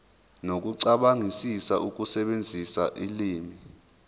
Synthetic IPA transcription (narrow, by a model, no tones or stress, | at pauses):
nok̬uǀaɓaŋisisaʔuk̬usɛɓend͡zʱisa̰ʔiliːmi